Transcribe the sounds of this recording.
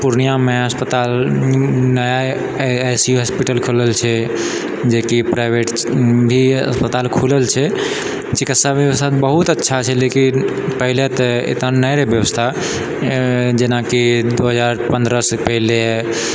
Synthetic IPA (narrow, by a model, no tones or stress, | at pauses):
puɾnijameəspət̪al | nəja | jsiuɦəspiʈəlkʰuləlt͡ʃʰɛ | d͡ʒekipɾaɪbʱeʈbʱiə̰spət̪alkʰuləlt͡ʃʰɛ | t͡ʃikit̪sabjəwəst̪ʰat̪bəɦut̪ətːʃʰat͡ʃʰɛleki | pəɦilet̪ḛt̪nanəjɾebjəʋəst̪ʰa | d͡ʒenakid̪oɦəd͡ʒaɾpə̃nd̪ɾəsepəɦile